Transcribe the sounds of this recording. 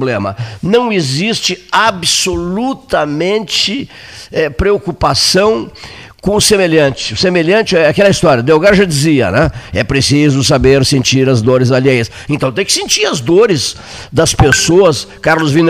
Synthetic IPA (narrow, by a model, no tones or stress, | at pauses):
blẽmɐnɐ̃w̃ezist͡ʃɪabsolut̪ɐmẽnt͡ʃɪ | ɛpɾeokupasɐ̃w̃ | kõʊsemeʎɐ̃nt͡ʃɪ̥ʊsemeʎɐ̃nt͡ʃɪɛakɛlɐist̪ɔɾjɐd̪ewɡaɾʒad͡ʒiziɐ̰nɛ̃ɛpɾesizʊs̬abeɾsẽnt͡ʃiɾɐzd̪oɾɪzalejɐs | ẽnt̪ɐ̃w̃t̪ẽj̃kɪ̥sẽnt͡ʃiɾɐzd̪oɾɪz | d̪ɐspesoɐskaɾlʊzvĩn